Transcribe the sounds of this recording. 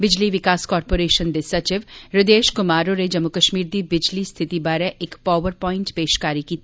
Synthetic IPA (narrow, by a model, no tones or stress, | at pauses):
bɪd͡ʒliʋɪkaːskɔːɾpoːɾeːʃənd̪esɐt͡ʃɪʋɾɪd̪eːʃkʊmaːɾõɾed͡ʒɐmːʊkɐʃmiːɾd̪ibɪd͡ʒlist̪ʰɪt̪ibaːɾeʔɪkpaːʋəɾpɔːɪ̃ɳʈpeːʃkaːɾikiːt̪